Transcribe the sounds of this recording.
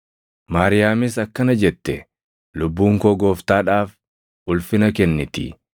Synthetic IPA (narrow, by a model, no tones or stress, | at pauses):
maːɾɪjaːmɪsɐkːɐnɐd͡ʒɛt̪ːɛ | lʊbːuːŋkoːɡo̞ːft̪aːᶑaːf | ʊlfɪnɐkɛnːɪt̪ɪ̰